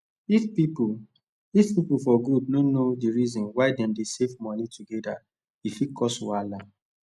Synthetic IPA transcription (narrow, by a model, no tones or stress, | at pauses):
ifpipu | ifpipufɔɡud̚nonodiɹizɔ̃nwaɪdɛ̃mdesevmɔ̃nituɡɛda | ifikɔswala